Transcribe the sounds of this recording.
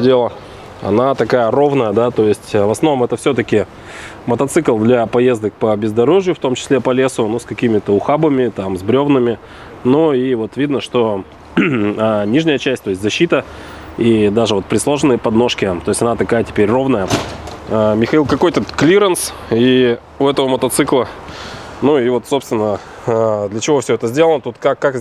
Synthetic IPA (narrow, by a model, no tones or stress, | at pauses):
dʲelˠə | ɐ̰nat̪ɐkajəro̞vnəjəd̪at̪o̞jɪsʲtʲːvɐsno̞mɛt̪əfsʲot̪əkʲɪ | mət̪ɐt̪sɨklˠd̪lʲapɐje̞zd̪ək̚pəbʲɪzd̪ɐɾo̞ʐɨjʊft̪o̞mt͡ɕɪ̥sʲlʲepɐlʲe̞sʊnuskɐkʲimʲɪt̪əʊxabəmʲɪt̪amzbɾʲo̞vnɨmʲɪ | nuivo̞t̪vʲid̪nəʂt̪o̞ | anʲiʐnʲəjət͡ɕæsʲtʲt̪o̞ɪsʲtʲzɐɕːit̪ə | id̪aʐɨvo̞t̪̚pɾʲɪslˠoʐɨnɨjəpɐd̪no̞ʂkʲɪt̪o̞jɪsʲtʲɐnat̪ɐkajətʲɪ̥pʲeɾʲro̞vnəjəamʲɪxɐilˠkɐko̞jt̪əklʲiɾəns | i | ʊɛt̪əvəmət̪ɐt̪sɨklˠə | nuivo̞t̪so̞pst̪vʲɪnːə | d̪lʲət͡ɕɪvo̞fsʲɵɛt̪əzʲdʲelˠənət̪ut̪kakːak